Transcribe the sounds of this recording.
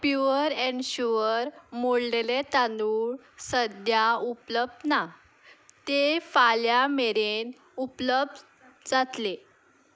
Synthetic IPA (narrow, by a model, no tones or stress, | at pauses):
pjuəɾeɳɕuʋəɾmoɽlelet̪anuɭ | səd̪jaupləb̚d̪na | t̪efaljameɾen | upləb̚d̪ | d͡zat̪le